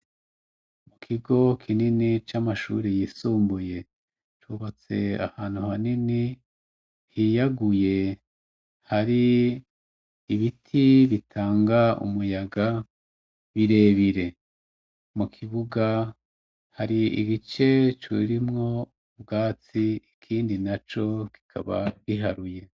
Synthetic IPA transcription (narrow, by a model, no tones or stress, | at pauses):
mukʰiɡo̞kʰininit͡ʃamaʃṵɾijiːsuːmbuje̞ | t͡ʃuβat͡se̞a̰haːnhuhanini | hijaɡuje̞ | haɾi | iβitʰiβitʰaːŋɡaṵmujaɡa | βiɾe̞ːβiɾe̞ | mukʰiβuɡa | haɾiḭβit͡ʃe̞t͡ʃḭɾimŋo̞ | bɡaːt͡siikʰiːndinat͡ʃo̞ki̥kʰa̰βa̰βiɦaɾuje̞